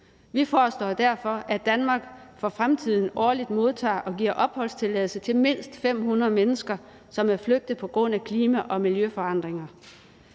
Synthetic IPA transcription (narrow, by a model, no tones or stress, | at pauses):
ʋifɒːsd̥ɒ̰ːd̥æɐfɒ̽ʔæd̥ænmɑ̈ːɡ̥fɒfʁamt͡sʰið̞̰ˠn̩ɒːlid̥mo̝ð̞ˠt͡sʰɑ̰̈ːʔɒ̽ɡ̥iɐ̰ʔɒ̽b̥hɒ̽l̰st͡sʰe̝lɛ̰ːð̩ˠsət͡sʰe̝lme̝n̰sd̥fem̰hunɐðˠmenəsɡ̥ɐ | sɒ̽mæɐfløɡ̥̚d̥ð̩ˠpʰɒ̽ɡ̥ʁɔ̽n̰ækʰliːmæʔɒ̽miljøfɒ̽ɑ̈n̰d̥ʁeŋɐ